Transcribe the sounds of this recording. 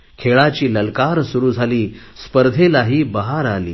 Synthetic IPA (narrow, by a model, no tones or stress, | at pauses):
kʰeɭat͡ɕiːləlkaɾsuɾuːd͡zʱaliː | spəɾd̪ʱelaɦiːbəɦaɾalḭː